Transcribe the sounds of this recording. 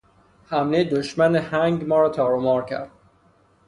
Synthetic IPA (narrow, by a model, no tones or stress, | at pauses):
hæmned̪oʃmænehæŋɡmɒːɾɒːt̪ʰɒːɾomɒːɾkʰæ̰ɾd̪̥